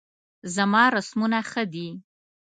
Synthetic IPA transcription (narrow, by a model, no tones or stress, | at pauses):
zamɑɾasmunaxəd̪i